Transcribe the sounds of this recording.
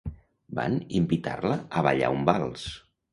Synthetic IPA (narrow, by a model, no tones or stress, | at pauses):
ba̰nimbit̪arləəβaʎa̰umbalˠs